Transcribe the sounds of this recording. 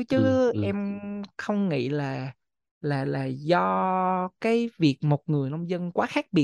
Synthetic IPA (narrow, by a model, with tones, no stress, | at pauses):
t͡ɕɨ˨˦ʔʔɛ˧mxə˧wŋ͡mŋḭ˧˨laː˨˩ | laː˨˩laː˨˩zɔ˧kaː˨˦jvi˨˩ək̚mo˨˩t̚ŋɨ˨˩əjna˧wŋ͡mzə˧nkwaː˨˦xaː˦˥k̚ɓi˨˩ə